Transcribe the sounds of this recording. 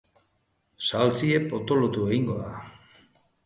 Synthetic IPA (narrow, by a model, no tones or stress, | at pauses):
salt͡sie̞po̞t̪o̞lot̪ue̞ɣiŋɡo̞ða